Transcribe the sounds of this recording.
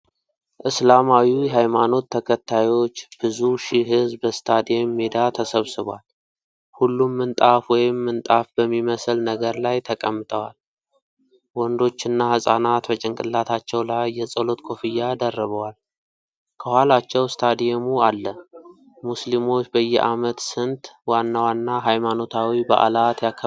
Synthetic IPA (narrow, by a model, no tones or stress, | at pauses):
ʔɨslamawijɛɦajmano̞t̪ʰːəkʰət̪ʰːajo̞t͡ʃːb̥ɨzuʃiɦɨzbəst̪ʰad̪ijemːed̪at̪ʰəsəβsɨβal | hulːumːɨnt̪ʼafwɔjɪmːɨnt̪ʼafbəmːiməslnəɡəɾlajt̪ʰəkʼəmːɨt̪ʼəwal | wɔnd̪o̞t͡ʃːɪnːahɨsʼanat̪bət͡ʃʼɪŋkʼɨlːat̪ʰat͡ʃːɛwlajːɛsʼəlo̞t̪kʰo̞fɨjːad̪ərːəβəwal | kʰəhwalat͡ʃːɛwst̪ʰad̪ijemualːə | muslimo̞t͡ʃːbəjːɛʔamət̪sɨnt̪ʼwanːawanːaɦajmano̞t̪ʰawibə̰ʔa̰lat̪jakʰːə